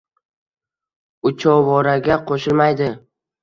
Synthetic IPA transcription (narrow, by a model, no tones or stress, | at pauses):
ʊt͡ʃʰɒwɒɾaɡʲaqʰoʃɪlmajd̪ɪ